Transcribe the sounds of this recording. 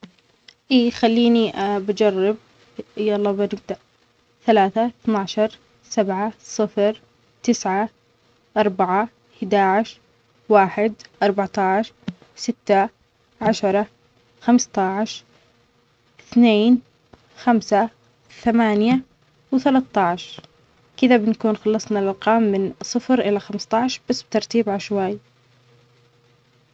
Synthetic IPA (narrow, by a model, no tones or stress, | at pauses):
ʔiːxalːiːniabad͡ʒɑrˤːɪb̚ | ʔjaʔlˤːɑːbanɪb̚d̪aʔ | θalaːθaθnaːʕʃɑɾˤ | sabʕasˤɨfɾ | t̪ɪsʕa | ʔɑɾˤbaʕa | hɪd̪aːʕɪʃ | waːħɪd̪ʔɑɾˤbaʕt̪ˤɑʕʃ | sɪt̪ːa | ʕaʃɑɾˤɑ | xamst̪ɑʕʃ | ɪθneːn | xamsa | θamaːnja | wθalat̪ːɑʕʃ | kɪðabɪnakuːnxɑlːɑsˤnɑlʔɑlqɑːmːɪnsˤɨfɾʔɪlaxamst̪ˤɑʕʃb̥asːbɪt̪ɑɾˤt̪iːbʕaʃwaːj